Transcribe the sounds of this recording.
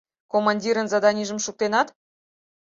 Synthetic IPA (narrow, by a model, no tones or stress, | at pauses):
komɑnʲdʲiɾə̆nzɑd̪ɑnʲiʒəmʃuk̚t̪enɑt̪